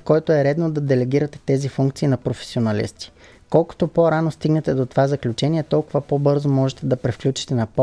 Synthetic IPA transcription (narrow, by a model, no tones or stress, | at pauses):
kɔjt̪oɛɾɛd̪nod̪ɐd̪ɛlɛɡ̟iɾɐt̪ɛ̥t̪ɛzifuŋkt̪sinɐpɾofɛ̥sionɐlḭst̪i̥ | kɔlˠko̥t̪opoɾanost̪iɡnɛt̪ɛd̪ot̪ovazɐklʲut͡ʃɛniɛt̪ɔlˠkʊvɐpobɤɾzomɔʒɛt̪ɛd̪ɐpɾɛfklʲut͡ʃi̥t̪ɛnɐpɔ